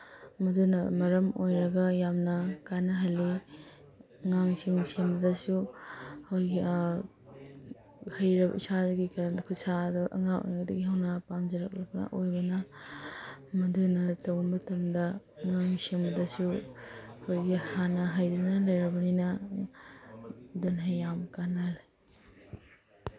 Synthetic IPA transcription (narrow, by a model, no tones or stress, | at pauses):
mɐdunɐ̰mɐɾɐmojɾɐɡɐjamnɐkanɐɦɐlːi | ŋaŋsiŋsembɐdɐsu | owjɡi | hɐjɾɐbɐ̰ḭsaduɡikaɾandɐkʰusaɐduʔɐ̰ŋaŋʔo̰jɡɐdɐɡiɦɐwnɐpamd͡ʒɐɾɐk̚lɐk̚bnɐ̰ʔojbɐnɐ | mɐdunɐtɐwnmɐtɐmdɐ | ŋaŋsembɐdɐsu | owjɡihanɐɦajdɐnɐlɐjɾɐbɐninɐ | donɦajːamkanɐlɐ